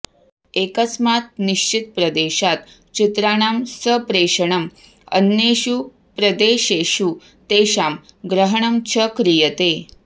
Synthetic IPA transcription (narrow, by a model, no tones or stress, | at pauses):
ekəsmat̪̚niɕt͡ɕit̪̚pɾəd̪eɕat̪ | t͡ɕit̪ɾaɳamsəpɾeʂəɳəm | ə̰nːeɕu | pɾəd̪eɕeɕu | t̪eɕam | ɡɾəɦəɳəmt͡ɕʰəkɾijət̪e